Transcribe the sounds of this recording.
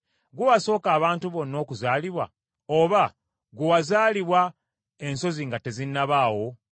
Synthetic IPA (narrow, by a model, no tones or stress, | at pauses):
ɡuβaso̞ːkaːβaːntuβo̞nːo̞ːkuzaːliβwa̰ | oβa | ɡuwazaːliβwa | e̞nso̞ziŋɡate̞zinːaβaːwo̞